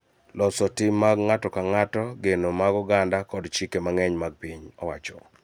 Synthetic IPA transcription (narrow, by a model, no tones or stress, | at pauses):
lɔsɔtimːaɡŋatɔkaŋatɔɡenomaɡɔɡandakɔdt͡ʃikemaŋɛɲmaɡ̚piɲɔwat͡ʃɔ